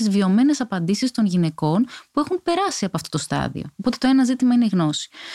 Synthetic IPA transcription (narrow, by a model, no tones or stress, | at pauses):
izvio̞me̞ne̞sɐpɐnd̪isist̪o̞nʝine̞ko̞npue̞xunpe̞ɾɐsiɐpoɐft̪o̞t̪ost̪ɐ̰ðḭo̞̰ːpo̞t̪e̞t̪oe̞nɐzit̪imɐineiɣno̞si̥